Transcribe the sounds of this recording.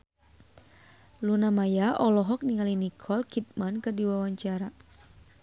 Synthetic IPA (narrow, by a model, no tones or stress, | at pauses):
lunamajaʔɔlɔɦɔk̚niŋalinikʰɔlkʰit̪̚mankɨrdiwawaɲt͡ʃaɾa